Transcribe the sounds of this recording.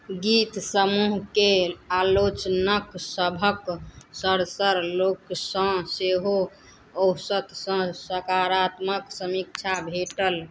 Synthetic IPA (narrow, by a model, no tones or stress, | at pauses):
ɡit̪səmuɦkealot͡ʃnəksəbʱəksəɾsəɾloksə̃seɦo | owsət̪sə̃səkaɾat̪məksəmik̚t͡ʃʰabʱeʈəl